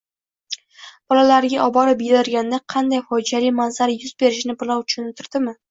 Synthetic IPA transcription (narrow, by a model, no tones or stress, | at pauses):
b̥ɒlalaɾɪɡʲaʔɒbɒɾɪpjɪɾaɾɡʲand̪aqʰɑnd̪ajfɒjd͡ʒalɪjmazaɾjʊzbe̞ɾɪʃnɪbʊlˠawt͡ʃ̪ʰʊ̥ʃʊnɪt̪ʰɪɾd̪̥ɪmɪ